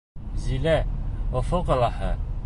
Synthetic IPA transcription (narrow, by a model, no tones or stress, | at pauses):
zilæofoqɤ̆lˠɑhɤ̰